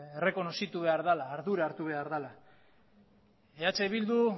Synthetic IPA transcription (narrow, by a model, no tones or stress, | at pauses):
ere̞ko̞no̞sit̪uβe̞aɾðalaːɾðuɾaːɾt̪uβe̞aɾðala | eat͡ʃe̞βild̪u